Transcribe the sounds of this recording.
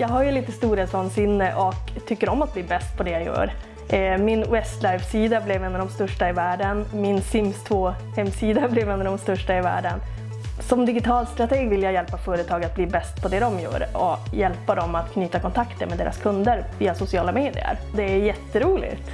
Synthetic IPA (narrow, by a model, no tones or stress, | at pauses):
jɑːɡɦajɵɭiːt̪əst̪uːɾeːt̪sɔnsɪnːəʔɔkt̪ʰʏkːəɾɔmːat̪̚bliːbɛst̪̚pʰɔd̪ɛjajœ̰ːɾ | mɪnwɛst̪lajfsiːd̪ablɛvɛnːavd̪ɔmst̪œʂʈaɪvæːɖənmɪnsɪmst̪ʰvoː | hɛmːsiːd̪ablɛvɛnːad̪ɔmst̪ɵʂʈaɪvæ̰ːɖən | sɔmd̪ɪɡɪt̪ʰɑːlst̪ɾat̪ʰeːɡvɪljaːjɛlpafœːɾət̪ʰɑːɡat̪̚bliːbɛst̪̚pʰɔd̪ɛd̪ɔmjœ̰ːɾɔjɛlpad̪ɔmat̪kʰnyːt̪akʰɔnt̪ʰakt̪əɾmɛd̪eːɾa̰skʰɵnd̪əɾviːasʊsɪɑːlameːd̪ɪ̰ə̰ɾd̪ɛæjɛt̪ːəɾuːlɪ̰t̪